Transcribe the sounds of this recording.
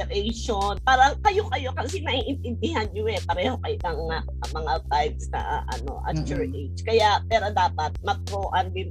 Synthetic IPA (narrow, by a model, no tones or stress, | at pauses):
ɛɾɛjʃonpaːɾɐkɐjokɐjo̞kɐsinɐʔiʔɪnt̪ɪnd̪ɪɦanɲʊɛpɐɾɛːho̞kɐjʊlɐŋːaʔɐmɐŋat̪ajb̚snɐ̰ʔʔɐ̰no̞̰ʔa̰t͡ʃʊɹʔet͡ʃkɐjaʔpɛːɾo̞d̪aːpɐt̪̚mɐt̪̚ɾoːʔɐnbɪn